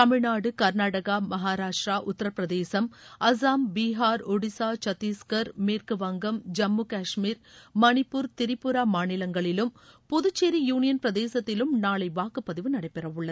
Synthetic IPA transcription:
t̪ɐmɪɻnaːɽɯkɐɾnaːɽɐɣamɐɦaːɾaːʂʈɾaːʔʊt̪ːɐɾɐpɾɐðeːsɐmɐs̬aːmbiːɦaːɾɔɽɪsaːt͡ʃɐt̪ːiːskɐɾmeːrkɯʋɐŋɡɐmd͡ʒɐmːukaːʂmiːɾmɐnɪpːʊɾt̪ɪɾɪpːʊɾaːmaːnɪlɐŋɡɐɭɪlɯmpɔðɯt͡ʃːeɾijuːnɪjɐnpɾɐðeːsɐt̪ːɪlɯmnaːɭɐɪʋaːkɯpːɐðɪʋɯnɐɽɐɪpːɛrɐʋɯɭːɐð

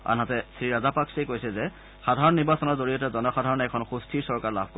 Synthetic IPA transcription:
a̰nɦatɛsɹiɹazapaksejkojsɛzɛ | xadʱaɹɔnːiɹbasɔnɔɹzoɹijɔtɛzɔnɔxadʱaɹɔnɛkʰɔnxustʰiɹsɔɹkaɹla̰bʱko

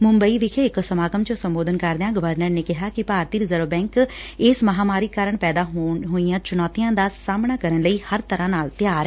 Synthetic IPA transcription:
mʊmbəiːʋɪkʰeːɪksəmaːɡəmt͡ʃõsəmboːd̪ənkəɾd̪eãːɡəʋəɾnəɾneːkɪɦaːkɪpaːɾt̪iːɾɪzəɾbɛ̃ːŋkɪsməɦaːmaːɾiːkaːɾəɳpɛːd̪aːɦɦoːijãːt͡ʃʊnɔːt̪ijãːd̪aːsaːmɳaːkəɾənləiːhəɾt̪əɾãːnaːlt̪ɪjaːɾɛː

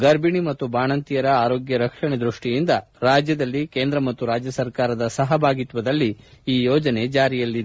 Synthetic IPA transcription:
ɡɐɾbʱiɳimɐt̪ːubaːɳɐnt̪ijɐɾɐaːɾoːɡjɐɾɐkʂɐɳed̪ɾuʂʈijind̪ɐ | ɾaːd͡ʒjɐd̪ɐlːikeːnd̪ɾɐmɐt̪ːuɾaːd͡ʒjɐsɐɾkaːɾɐd̪ɐsɐɦɐbʱaːɡit̪ʋɐd̪ɐlːiiːjɔːd͡ʒɐne̞d͡ʒaːɾijɐlːid̪e

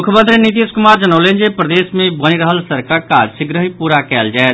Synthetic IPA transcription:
mukʰjəmənt̪ɾinit̪iskumaɾd͡ʒənəʊlend͡ʒepɾəd̪esmebəniɾəɦəlsəɾkaka̰d͡ʒsiɡɾəɦipuɾakɛld͡ʒaet̪̚

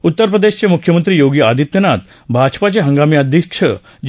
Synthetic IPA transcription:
ut̪ːəɾpɾəd̪eɕt͡ɕemukʰjəmənt̪ɾiːjoɡiad̪ʱit̪jənat̪ | bʱad͡ʑpat͡ɕeɦəŋɡamiad̪ʱjəkʂə̰ | d͡ʑ

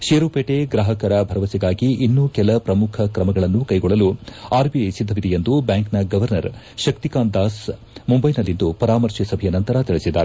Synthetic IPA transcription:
ʃeːɾuːpeːʈeɡɾaːɦɐkɐɾɐbʱɐɾɐʋɐsiɡaːɡiinːukɛlɐpɾɐmukʰɐkɾɐmɐɡɐɭɐnːukɐjɡɔɭːɐluaːɾbiɐjsid̪ʱːɐʋid̪ɛjend̪ubjaːŋknɐɡɐʋɐɾnɐɾ | ʃɐk̚t̪ikaːnd̪aːs | mumbɐjnɐlːind̪upɐɾaːmɐɾʃisɐbʱɐjɐnɐnt̪ɐɾɐt̪iɭisid̪ːaːɾe

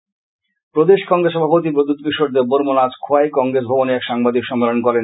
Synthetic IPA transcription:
pɾod̪eʃkɔŋɡɾeʃ̬ɔbʱapot̪̬ipɾod̪ut̪kiʃoɾd̪eɾboɾmonad͡ʑkʰoaekɔŋɡɾes̬bʱɔboneɛkʃaŋbad̪ikʃɔmːelonkɔɾen

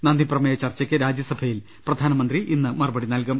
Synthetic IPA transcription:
nɐnd̪ʱiprɐmɐjɐt͡ɕɐrt͡ɕːɐkʲːɨɾaːd͡ʑjɐsɐbʱɐjil | prɐd̪ʱaːnɐmɐnd̪riʔinːɨmɐrɐbɐɽinɐlkɐm

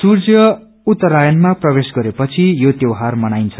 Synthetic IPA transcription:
surd͡zjʌ | ut̪ːʌɾajʌnmaprʌbesɡʌɾepʌt͡sʰijot̪jʌwɦarmʌnajnt͡sʰʌ̥

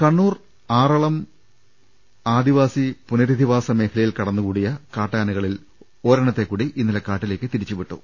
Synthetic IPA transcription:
kɐɳːuːr | aːrɐɭɐm | aːd̪iʋaːsipunɐɾid̪ʱiʋaːsɐme̞ːkʰɐlɐjilkɐɽɐnːukuːɽijɐkaːʈːaːnɐɣɐɭil | o̞ːɾɐɳɐt̪ːe̞kːuːɽiʔinːilɐkaːʈːile̞ːkʲːɨt̪iɾit͡ɕːuʋiʈːṵ

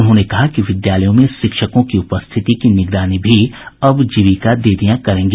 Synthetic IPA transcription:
ʊnɦõːnekɐɦakiʋɪd̪jaːləjõmẽʃɪkʃəkõkiʊpəst̪ʰɪt̪ikinɪɡɾaːnibʱiɐbd͡ʒiʋikad̪eːd̪ijãkɐɾẽːŋɡe

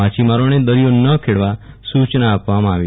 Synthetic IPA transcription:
at͡ʃʰimaɾoned̪əɾijonəkʰeɭʋa | sut͡ʃnəːpʋamãːʋi

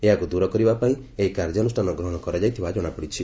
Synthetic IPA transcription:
eɦakud̪uɾɔkɔɾibapaĩ | eɦikaɾd͡ʒɔnusʈʰanɔɡɾɔɦɔ̃ɽ̃ɔkɔɾɔd͡ʒajt̪ʰibad͡ʒɔɽ̃apɔɽit͡ʃʰi

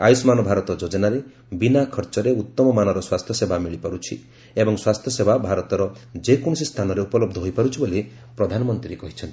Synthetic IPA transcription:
a̰jusmanɔbʱaɾɔt̪ɔd͡ʒod͡ʒɔnaɾe | binakʰɔɾt͡ʃɔɾeut̪ːɔmɔmanɔɾɔswast̪ʰjɔsebʱamiɭipaɾut͡ʃʰi | ebɔŋswast̪ʰjɔsebʱabʱaɾɔt̪ɔɾɔd͡ʒekoɳ̃ɔsist̪ʰanɔɾeupɔlɔb̚d̪ʱɔɦojpaɾut͡ʃʰibole | pɾɔd̪ʱanɔmɔnt̪ɾiɾekɔɦit͡ʃʰɔnt̪i̥

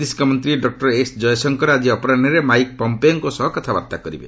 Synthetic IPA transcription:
d̪isi̥kɔmɔnt̪ɾiɖɔk̚ʈɔɾesd͡ʒɔjɔsɔŋkɔɾad͡ʒiɔpɔɾanɔɾemajk̚pɔmpejɔŋkusɔɦɔkɔt̪ʰaba̰ɾt̪akɔɾḭbḛ

